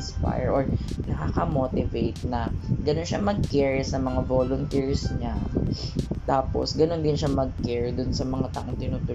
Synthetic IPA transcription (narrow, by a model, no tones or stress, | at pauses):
nspa̰jɹʔoɹ | nɐkaːkɐmoːt̪ɪvejt̪̚nɐɡɐnonʃa̰mɐɡ̚kɛɹsɐmɐŋavoːlʊnt̪iɹsɲa | t̪aːpo̰sɡɐno̞nd̪ɪnʃamɐɡ̚kɛɹd̪ʊnsɐmɐŋat̪ɐʔɪnt̪ɪnut̪ʊ